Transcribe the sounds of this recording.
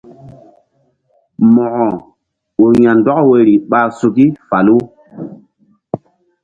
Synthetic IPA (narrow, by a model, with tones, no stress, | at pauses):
mɔ˨ʔɔ˨ | u˨jã˨ndɔ˦kwe˨ɾi˨ɓa˨su˨ɡi˦fa˨lu˦